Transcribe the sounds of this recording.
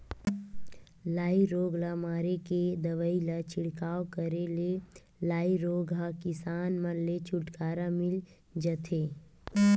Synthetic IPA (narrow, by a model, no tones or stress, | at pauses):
laːiɾoːɡlamaːɾeked̪əʋəilat͡ʃʰɪɽkaːokəɾele | laːiɾoːɡɦakɪsaːnmənlet͡ʃʰʊʈkaːɾamɪl | d͡ʒət̪ʰeː